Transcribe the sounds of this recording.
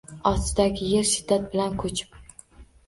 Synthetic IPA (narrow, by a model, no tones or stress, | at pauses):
ɒsɪd̪aɡʲɪje̞ɾʃɪd̪ːat̪̚bɪlankʰɵt͡ʃʰɪ̥p